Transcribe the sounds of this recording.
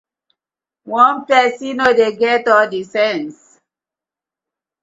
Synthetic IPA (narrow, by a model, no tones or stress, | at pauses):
wɔ̃npɛsĩnodeɡɛtɔldisɛ̃ns